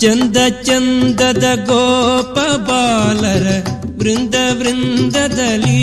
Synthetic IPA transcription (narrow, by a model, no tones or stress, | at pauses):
t͡ʃɐnd̪ɐt͡ʃɐnd̪ɐd̪ɐɡoːpɐbaːlɐɾɐʋɾɪnd̪ɐʋɾɪnd̪ɐd̪ɐli